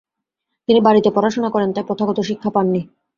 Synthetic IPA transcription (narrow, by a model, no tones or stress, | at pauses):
t̪inibaɾit̪epɔɾaʃonakɔɾent̪apɾot̪ʰaɡot̪oʃikʰːapanːi